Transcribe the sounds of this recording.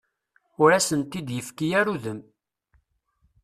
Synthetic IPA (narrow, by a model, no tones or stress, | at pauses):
ʊɾæsənt̪id̪jəfkijæɾuðəm